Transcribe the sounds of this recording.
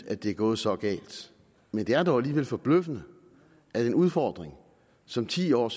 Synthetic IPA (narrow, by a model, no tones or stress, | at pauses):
æd̥e̝æɐɡ̥ɔ̽ːð̞̩ˠsɒ̽ɡ̥ɛ̰ːld̥ | mend̥e̝æɐd̥ɒʊæliːʋel̰fɒ̽b̥løfənə | ʔæd̥enuð̞ˠfɒːd̥ʁeŋ | sɒ̽mt͡sʰḭːɒ̰ːs